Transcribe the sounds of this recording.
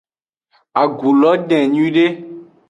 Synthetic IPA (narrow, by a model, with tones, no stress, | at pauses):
a˨ɡu˨lɔ˨˦ɖɛ̃˨ɲũ˦ɖe˦